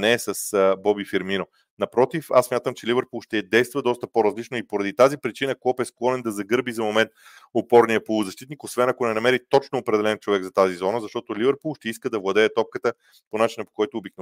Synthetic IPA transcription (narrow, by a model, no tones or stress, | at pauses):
nɛːsəsbɔbifiɾmino | nɐpɾɔt̪ifa̰ssmʲat̪əmt͡ʃɛlivɛɾpulˠʃt̪ɛd̪ɛjst̪vəd̪ɔst̪əpoɾɐzlit͡ʃnoipoɾɐd̪it̪azipɾit͡ʃinəkɔpɛsklˠɔnɛnd̪ɐzɐɡɤɾbizɐmomɛnt̪ | opɔɾnijəpolˠuzɐʃt̪it̪nikosvɛnɐkonɛnɐmɛɾit̪ɔt͡ʃnoːpɾɛd̪ɛlɛnt͡ʃovɛɡzɐt̪azizɔnəzɐʃt̪ɔt̪olivɛɾpulˠʃt̪ɛiskəd̪ɐvlˠɐd̪ɛːt̪ɔp̚kət̪ə | ponat͡ʃinəpo̥kɔjt̪oːbik̚no